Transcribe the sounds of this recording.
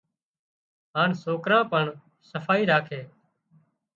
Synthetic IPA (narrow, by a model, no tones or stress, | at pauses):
ɦaːnsoːkɾãːpəɳ | səfʰaːiːɾaːkʰeː